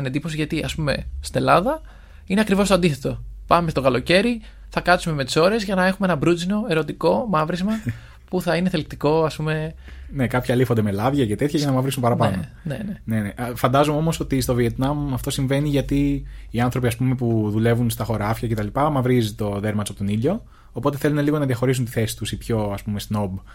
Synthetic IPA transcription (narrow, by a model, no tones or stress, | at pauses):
ned̪ipo̞siʝɐt̪iʔɐspume̞st̪ine̞lɐðɐ | ineɐkɾivost̪oɐnd̪iθe̞t̪o̞pɐme̞st̪okɐlo̞ce̞ɾi | θɐkɐt̪sume̞me̞t̪i̥so̞ɾe̞zʝɐnɐe̞xumeenɐbɾud͡zino̞e̞ɾo̞t̪iko̞mɐvɾizmɐ | puθɐine̞θelk̚t̪iko̞ɐspume̞ | ne̞kɐpçɐlifond̪emelɐvʝɐce̞t̪e̞t̪çɐʝɐnɐmɐvɾisumpɐɾɐpɐno | nḛneneneʔfɐnd̪ɐzomeo̞mo̞so̞t̪ist̪o̞vie̞t̪nɐmɐft̪o̞siɱve̞niʝɐt̪iːɐnθɾo̞piɐspume̞puðule̞vunst̪ɐxo̞ɾɐfçɐcet̪ɐlipɐmɐvɾizit̪o̞ðe̞ɾmɐt͡sopot̪o̞niʎo̞ː | po̞t̪e̞θe̞luneliɣo̞nɐðiɐxo̞ɾisunt̪iθe̞si̥t̪usipço̞ɐspumest̪no̞b